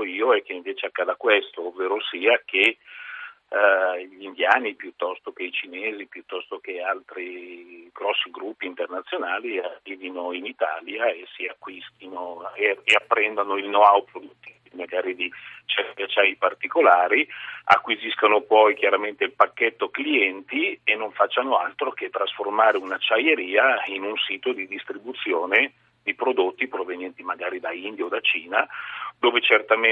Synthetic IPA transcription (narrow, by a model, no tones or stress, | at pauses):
iːoɛkːeiɱveːt͡ʃeakːaːd̪akwest̪oːvːeːɾosiːak̟e | ʎind̪jaːnipjut̪ːɔst̪ok̟eit͡ʃineːzipjut̪ːɔst̪ok̟ealt̪ɾiɡɾɔsːiɡɾupːiːnt̪ernat̪sːjonaːliarːiːvinoinit̪a̰ːljaesːiakːwist̪inoeeapːɾɛnd̪anoilnoawpɾod̪ut̪ːi | maɡaːɾid̪it͡ʃaat͡ʃajipart̪ikolaːɾia̰kːwiziskonopɔjk̟jaɾament̪eilpakːet̪ːokliɛnt̪ienːoɱfat͡ʃːanoalt̪ɾoket̪ːɾasformaːɾeunat͡ʃːajeɾiːainunsiːt̪od̪id̪ist̪ɾibut̪sːjoːne | d̪ipɾod̪ot̪ːipɾovenjɛnt̪imaɡaːɾid̪aind̪jaod̪at͡ʃiːnad̪oːvet͡ʃert̪am